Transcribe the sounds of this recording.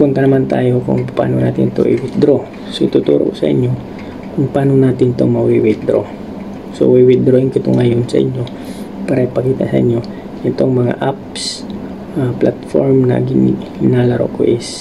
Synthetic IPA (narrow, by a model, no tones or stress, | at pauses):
koŋkɐnɐmant̪a̰ːjo̞kʊ̰ŋpa̰ːnona̰ːt̪ɪnt̪o̰ʔɪwɪd̪ɾo | soʔɪt̪ut̪ṵːɾo̰kosɐ̰ʔɪ̰ɲjo̞ | kʊŋpaːnonaːt̪ɪnɪt̪oŋmɐawiwɪd̪ɾo̰ | so̰wiwɪd̪ɾoɪŋkɪt̪oŋɐjonsɐ̰ʔɪ̰ɲjo̞ | paːɾɐʔipɐkiːt̪ɐ̰ʔsɐʔɪ̰ɲːo̞ | ʔɪt̪o̞ŋmɐŋa̰ʔaps | aplat̪foɹmnɐ̰ɡɪnnalɐɾo̰ʔko̰ʔɪs